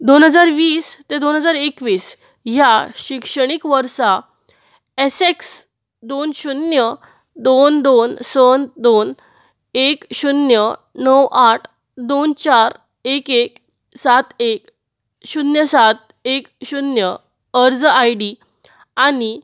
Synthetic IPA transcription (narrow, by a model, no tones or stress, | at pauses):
d̪onɦəd͡zaɾʋiːst̪ed̪onɦəd͡zaɾekʋiːs | jaɕikʂəɽ̃ikʋəɾsa | eseks | d̪onɕunjə | d̪ond̪onsənd̪on | ekɕunjə | nəwʔaʈʰ | d̪ont͡ɕaɾ | ekek | sat̪ek | ɕunjəsat̪̚ | ekɕunjə | əɾd͡zajɽi | ani